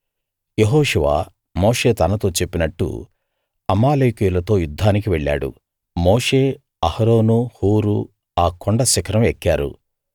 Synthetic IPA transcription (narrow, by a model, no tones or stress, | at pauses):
jeɦɔːʂuʋa̰ː | moːʂe̞ːt̪ɐnɐt̪o̞ːt͡ʃe̞pːinɐʈːṵ | ɐmaːlejkijulɐt̪o̞ːjud̪ʱːaːnikiʋeɭːa̰ːɽṵ | moːʂe̞ː | ɐhɐɾo̞ːnuhuːɾu | aːkʰoɳɖɐsɐkʰɐɾɐmekːaːɾṵ